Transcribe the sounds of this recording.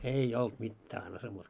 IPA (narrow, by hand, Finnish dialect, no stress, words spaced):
ei olt mitːæː ɑnsɑ muːt